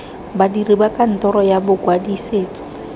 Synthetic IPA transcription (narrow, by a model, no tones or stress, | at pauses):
badiribakʼan̩tʼɔɾɔjabʊkwadiseːt͡sʼɔ̥